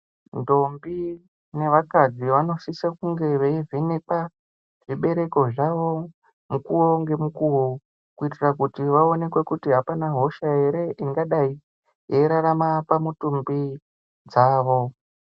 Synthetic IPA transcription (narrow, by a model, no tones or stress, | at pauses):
ndo̞mbi | ne̞ʋakad͡ziʋano̞sisakuŋɡe̞ʋeivinepa | ʐ̥iɓe̞ɾe̞ko̞ʐaʋo̞ | mukuwoŋɡe̞mukuwo | kuitirakutiʋao̞ne̞kwe̞kutiɦapanaɦo̞ʃae̞ɾe̞ʔiŋɡaɗai | jeɾaɾamapamutumbi | d͡zaːʋo̞